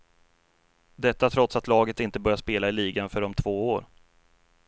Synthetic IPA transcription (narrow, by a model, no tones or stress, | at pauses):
d̪ɛt̪ːat̪ʰɾɔt̪sat̪lɑːɡət̪ɪnt̪əbœɾjaʂpeːlaɪliːɡanfœɖɔmt̪ʰvoːoːɾ